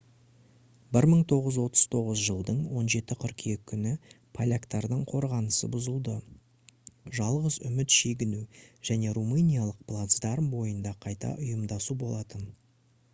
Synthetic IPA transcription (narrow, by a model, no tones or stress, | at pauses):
bɪɾməɴt̪ʰo̞ʁəzwo̞t̪ə̥z̥t̪ʰo̞ʁəzʒəlˠd̪əɴwo̞nʒe̞t̪ɪqʰʏɾqe̞k̚kʲʰːʏnɪ | pʰalʲakt̪ɑɾd̪əɴqʰo̞ɾʁɑnəsə̰bʊzəlˠd̪ə | ʒɑlˠʁəzʏ̰mɪt̪ʃeɡʲɪnuʒ̥æne̞rumɨnijalˠəq̚plˠat̪zd̪ɑɾmbo̞jənd̪ɑqʰɑjt̪ɑ̰ʔʊjəmd̪ɑsubo̞lˠɑt̪ən